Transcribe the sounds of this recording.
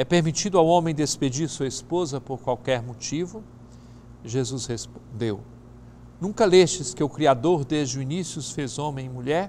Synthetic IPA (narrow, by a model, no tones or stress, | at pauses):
ɛpeɾmit͡ʃid̪ʊawõmẽj̃d̪esped͡ʒiɾsuɐespozɐpoɾkwawkɛɾmot͡ʃivʊ | ʒezuzhespod̪ew | nũkɐleʃt͡ʃɪskɪʊkɾiad̪oɾd̪ezd͡ʒɪʊinisjʊsfezõmẽj̃muʎɛɾ